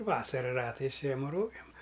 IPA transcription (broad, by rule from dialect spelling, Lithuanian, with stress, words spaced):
ˈʋɑːsɐrɐ ˈrɑːtɐɪs ˈʒʲiɛmɐ ˈroːɡʲeːm